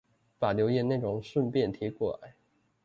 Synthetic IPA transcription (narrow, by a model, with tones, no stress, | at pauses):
pa˨˩ljo˧˥ʊjɛ˨˩na˥˩ʈ͡ʂʊ˨˩ŋʂwə˥˧npjɛ˥˨nt̪ʰjɛ˧˥kwɔ˥˩la̰˧˦ɪ